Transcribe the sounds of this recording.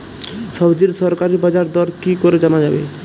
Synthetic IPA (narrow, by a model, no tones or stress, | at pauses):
ʃɔbd͡ʑiɾsɔɾkaɾibad͡ʒaɾd̪ɔɾkikoɾed͡ʑanad͡ʑabḛ